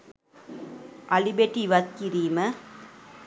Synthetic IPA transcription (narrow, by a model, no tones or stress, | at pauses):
ʔɐlibeʈːiːʋɐt̪̚kiɾiːmɐ